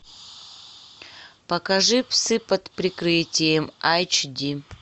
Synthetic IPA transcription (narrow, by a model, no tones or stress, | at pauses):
pɐkɐʐɨpsɨpɐt̪pɾʲɪkɾɨtʲɪjəmajt͡ʃd̪ʲi